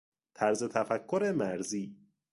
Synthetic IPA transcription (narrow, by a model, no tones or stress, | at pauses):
t̪ʰæɾzet̪ʰæfækʰːoɾe̞mæɾziː